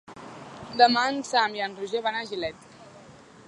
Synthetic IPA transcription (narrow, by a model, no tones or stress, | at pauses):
d̪əmansamjanruʒeβanaʒilɛt̪